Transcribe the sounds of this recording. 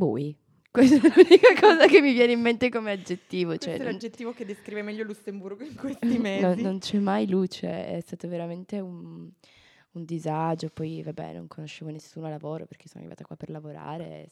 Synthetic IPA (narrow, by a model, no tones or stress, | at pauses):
buj | kwest̪ɛlulunikakɔːzakemːivjɛːneimːent̪ekomead͡ʒet̪ːiːvot͡ʃoɛand͡ʒet̪ːiːvoked̪ːeskɾiːvemɛʎːolusemburɡoiŋkwest̪imenonːont͡ʃɛmːajlut͡ʃoɛ̰ɛ̰st̪aːt̪oveɾament̪eun | und̪izad͡ʒopɔjvabɛ̰no̰ŋkʰonoʃːeːvonesːuːnoalavoːɾo̰perk̟esoːna̰rːiva̰t̪akwa̰perlavoɾa̰ːɾe